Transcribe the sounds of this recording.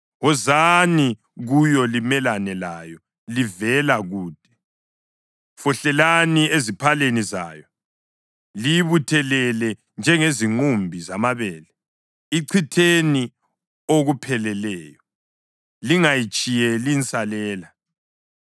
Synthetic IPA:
ɣɔzani | ɣujɔlimɛlanɛlajɔ | livɛlaɣuːd̥ʱɛ̥ | fɔɬɛlaniezipʰaleniza̰ːjɔ | lijβutʰɛlɛlɛ | nd͡ʒʱɛŋeziŋ͡ǃumbʱizamaβɛːlɛ | iǀʰitʰeni | oɣupʰɛlɛlɛːjɔ | liŋajit͡ʃʼijɛlint͡sʼalɛːla

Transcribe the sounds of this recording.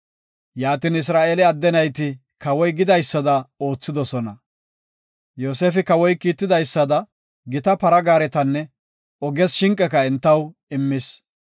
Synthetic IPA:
jaːt̪iːnɪs̬ɾaːʔelɪɐd̪ːɛnɐjt̪ɪ | kɐwɔjɡɪd̪ɐjsːɐd̪ɐo̞ːt͡sːɪd̪ɔsɔnɐ | jo̞ːseːfɪkɐwɔjkiːt̪ːɪd̪ɐjsːɐd̪ɐ | ɡɪt̪ɐpɐɾɐɡaːɾɛt̪ɐnːɛ | ɔɡɛsʃɪŋkʼːɛkɐɛnt̪ːɐwɪmːɪs

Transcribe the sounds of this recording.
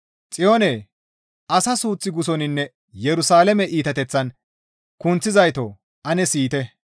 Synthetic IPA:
t͡sʼɪjoːneː | ʔɐsɐsuːt͡sːɪɡʊsɔnɪnːɛ | jɛɾʊsaːlɛmɛʔiːt̪ɐt̪ɛt͡sːɐn | kʊnt͡sːɪzɐjt̪o̰ | ʔɐnɛsiːt̪ɛ

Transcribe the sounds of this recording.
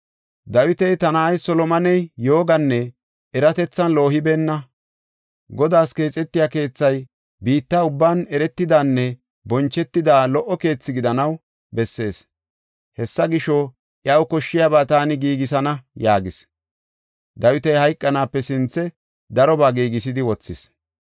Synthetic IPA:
d̪ɐwɪt̪ɛjt̪ɐnaːjsɔlɔmɐnɛjjo̞ːɡɐnːɛ | ɛɾɐt̪ɛt͡sːɐnlo̞ːɦɪbeːnːɐ | ɡɔd̪aːske̞ːt͡sʼːɛt̪ːɪjaːke̞ːt͡sːɐj | biːt̪ːaːʊbːaːnɛɾɛt̪ːɪd̪aːnːɛ | bɔnt͡ʃːɛt̪ːɪd̪aːlɔʔːɔke̞ːt͡sːɪɡɪd̪ɐnɐw | bɛsːe̞ːs | hɛsːɐɡɪʃɔ | ʔjɐwkɔʃːɪjabaːt̪aːnɪɡiːɡɪsɐnɐjaːɡɪs | d̪ɐwɪt̪ɐjhɐjkʼːɐnaːpːɛsɪnt͡sːɛ | d̪ɐɾɔbaːɡiːɡɪs̬ɪd̪ɪwɔt͡sːɪs

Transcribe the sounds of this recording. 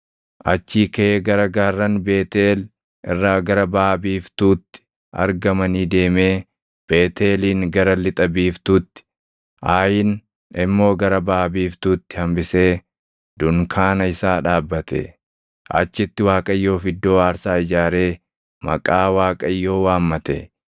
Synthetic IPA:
ʔɐ̰t͡ʃːiːkeɡɐɾɐɡaːrːɐnbe̞ːt̪eːl | ɪ̰rːaːɡɐɾɐbaːbiːft̪uːt̪ːɪ̥ | ɐ̰ɾɡɐmɐniːd̪e̞ːme̞ː | b̥e̞ːt̪ʰe̞ːliːŋɡɐɾɐlɪt̪ʼɐbiːft̪uːt̪ːɪ̥ | ʔaːjɪn | ɪmːo̞ːɡɐɾɐbaːbiːft̪uːt̪ːɪ̥hɐmbɪse̞ː | d̪̥ʊŋkʰaːnɐɪsaːᶑaːbːɐt̪ɛ̰ | ʔɐ̰t͡ʃːɪt̪ːɪwaːkʼɐɪjːo̞ːfɪd̪ːo̞ːaːɾsaːɪd͡ʒaːɾe̞ː | mɐ̰kʼaːwaːkʼɐɪjːo̞ːwaːmːɐt̪ɛ̰

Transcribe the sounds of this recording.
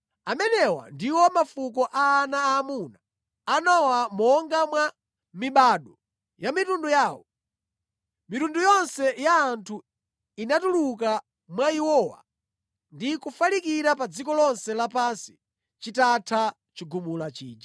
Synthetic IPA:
amɛnɛwa̰ndiwɔmafuk̬ɔʔaːnaːmunaː | nawamɔŋɡamwa | miɓaːɗɔ | jamitundujaːwɔ | mitundujɔnsɛjaːntʰu | inatuluka | mwaiwɔːwa̰ | ndikufalikiɾapad͡zikɔlɔnsɛlapansi̥ | t͡ʃitatʰa | t͡ʃiɡumulat͡ʃḭːd͡ʒḁ

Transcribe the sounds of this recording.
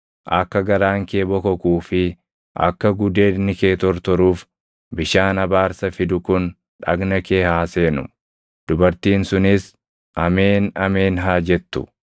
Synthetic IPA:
ʔɐkːɐɡɐɾaːŋke̞ːbɔkɔkuːfɪ | ʔɐ̰kːɐɡʊd̪e̞ːnɪkeːt̪ɔɾt̪ɔɾuːf | bɪʃaːnɐbaːɾsɐfɪd̪ʊkʊn | ᶑɐ̰ɡnɐke̞ːhaːseːnʊ̰ | d̪̥ʊbɐɾt̪iːnsʊnɪs | ʔɐmeːnɐme̞ːnɦaːd͡ʒɛt̪ːʊ̥̰

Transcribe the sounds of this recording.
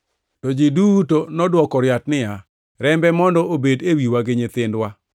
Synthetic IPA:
tɔd͡ʒidutonɔdwɔkɔɾjatnɪja | ɾɛmbɛmɔndɔʔobedewiwaɡɪɲɪt̪ɪndwa

